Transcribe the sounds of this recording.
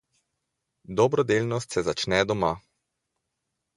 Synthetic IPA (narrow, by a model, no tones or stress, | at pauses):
d̪ɔbɾɔd̪elnɔst̪sɛzat͡ʃnɛd̪ɔma